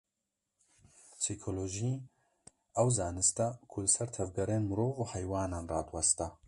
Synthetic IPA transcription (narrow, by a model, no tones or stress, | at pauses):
psikʰoloːʒi | ɐwzaːnɨst̪ɐkʰulɨsɐɾt̪ʰɐvɡɛɾeːnmɨɾoːvuːhɛjwaːnaːnrɑːt̪wɐst̪ɐ